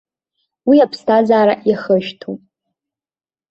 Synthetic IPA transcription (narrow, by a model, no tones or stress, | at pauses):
wiapʰstʰazaːɾaʔjiaχəʃtʰupʼ